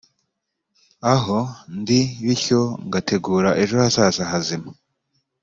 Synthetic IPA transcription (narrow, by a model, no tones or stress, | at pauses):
aɦo̞ndiβiço̞ŋɡatʰe̞ɡuːɾaʔe̞ʒo̞hasasaɦazima